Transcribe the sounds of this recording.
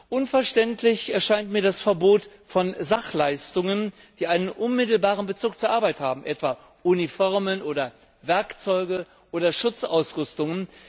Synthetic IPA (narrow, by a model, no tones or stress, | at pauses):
ʔʊnfɛɐʃtɛntʰlɪçɛɐʃaɪntmiːɐɾasfɛɐboːtfɔnzaχlaɪstʊŋən | d̥iːʔaɪnənʔʊnmɪtl̩baːʁənbət͡suːk̚t͡suːɐʔaːɐbaɪthaːbm̩ʔɛtv̥aː | ʔunifɔɐmənʔoːdɐ | vɛɐkt͡sɔʏɡə | ʔoːdɐʃʊt͡sa̰ʊsʁʏstʊŋən